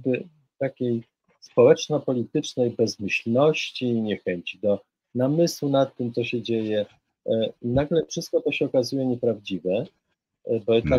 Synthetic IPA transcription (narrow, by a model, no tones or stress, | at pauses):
bɘ | t̪akʲej | spɔwɛt͡ʂnɔpɔlʲit̪ɘt͡ʂnɛjbɛzmɘɕlnɔɕt͡ɕiɲɛxɛɲt͡ɕid̪ɔ | namɘswunat̪ːɘmt̪sɔɕɛd͡ʑejɛ | naɡlɛfʂɘst̪̚kɔt̪ɔɕɛɔkazujɛɲɛpɾavd͡ʑivɛ | bɔjɛt̪a